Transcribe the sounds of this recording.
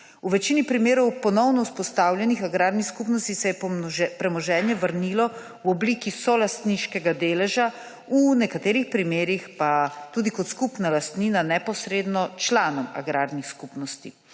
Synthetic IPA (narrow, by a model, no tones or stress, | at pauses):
uʋɛt͡ʃiːnipɾimeːɾɔwpɔnɔwnɔuspɔst̪aːwlʲjɛnixaɡɾaːɾnixskupnɔst̪isɛjɛpɾɛmɔʒɛːnjɛʋəɾnilɔ | wɔbliːkisɔlast̪niʃkɛɡad̪eːlɛʒa | unɛkat̪eːɾixpɾimeːɾixpat̪uːd̪ikɔt̪skupnalast̪ninanɛpɔsɾeːd̪nɔt͡ʃlaːnɔma̰ɡɾaːɾnixskupnɔst̪i